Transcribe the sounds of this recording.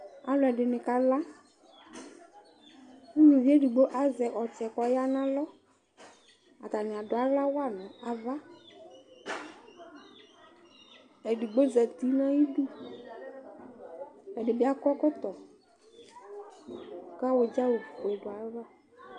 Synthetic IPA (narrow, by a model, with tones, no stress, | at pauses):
a˨lɔ˨ɛ˨ɖɪ˨nɪ̃˨ka˦la˦ | fu˦wi˨vi˦ɛ˦du˨ɡ͡bo˦ʔa˨zɛ˨ʔɔ˨t͡ʃɛ˨kɔ˨ja˦nã˦lɔ˦ | a˨t̪a˨nɪ̃˨a˨dʊ˨a˨la˦wa˦˨nɔ̃˨a˨va˦ | ɛ˨du˨ɡ͡bo˦zɛ˨t̪i˦nã˦ji˦du˦ | ɛ˨dɪ˨bɪ˨˦a˦kɔ˦kɔ˦t̪ɔ˨ | ka˦wʊ˨d͡ʒa˦wo˨fɛ˨dʊ˨a˨la˦